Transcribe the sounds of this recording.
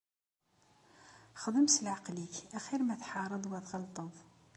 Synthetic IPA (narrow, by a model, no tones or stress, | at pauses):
χd̪ˤəmsəlʕaqlikæχiɾmæθħɑɾˤəd̪ˤwæðʁɑlt̪ˤəðˤ